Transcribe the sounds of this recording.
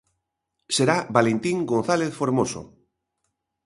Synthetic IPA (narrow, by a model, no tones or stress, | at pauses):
seɾabalent̪iŋɡon̟θaleθfoɾmoso̰